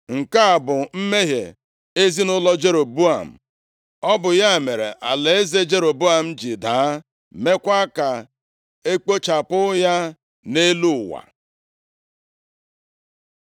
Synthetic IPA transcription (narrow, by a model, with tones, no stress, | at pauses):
ŋ̩˨ka˦a˨bʊ˨m̩˦me˦ɦjḛ˨ | e˦zi˦nʊ˦lɔ˦d͡ʒe˦ɾo˨bu˦a˨m̩˨ | ɔ˦bʊ˨ja˦˨me˨ɾḛ˨ʔa˨le˨e˦ze˦d͡ʒe˦ɾo˨bu˦a˨m̩˦d͡ʒɪ˨daː˨˦ | me˦kʷa˦ka˨ | e˦k͡po˦t͡ʃa˨pʊ˦ja˦ | ne˦lu˦˨wa̰˨